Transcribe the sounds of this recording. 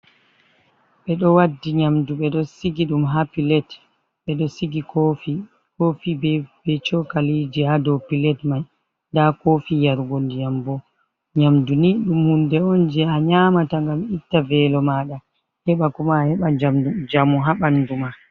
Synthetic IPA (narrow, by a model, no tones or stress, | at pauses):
ɓɛɗɔwadːiɲamduɓɛɗɔsiɡiɗumɦapilɛt | ɓɛɗɔsiɡikofi | kofibb̥ɛt͡ʃɔkalid͡ʒihadɔpilɛtmaj | dakofijaɾɡondijambɔ | ɲamduniɗumhundɛɔnd͡ʒɛaɲaːmataŋɡamitːavɛlɔmaːɗa | hɛɓakɔmahɛɓad͡ʒamud͡ʒamuɦaɓanduma